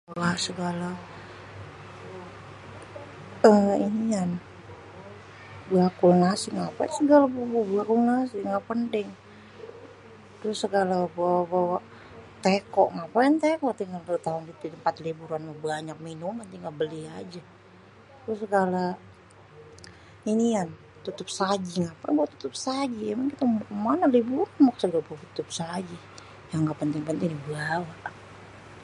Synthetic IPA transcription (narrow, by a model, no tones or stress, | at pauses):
awasəɡala | əinian | bakʊlŋasɪŋapa̰səɡalabububakʊlnasɪŋɡaʔpəntɪŋ | t̪ɾʊsːəɡalabawabawaʔ | t̪ekɔʔŋapajant̪ekɔʔt̪iŋaldt̪aɦʊnit̪impat̪libuɾanmahbaɲak̚minumant̪iŋɡaʔbəliad͡ʒa | t̪ɾʊsəɡala | inian | t̪ut̪ʊp̚sad͡ʒiŋapaŋbuat̪ːu̥t̪ʊp̚sad͡ʒiɛmaŋkit̪akmanalibuɾanmaksəɡalapat̪ut̪ʊp̚sad͡ʒi | jaŋɡaʔpənt̪ɪŋpənt̪ɪŋdibəlawaʔa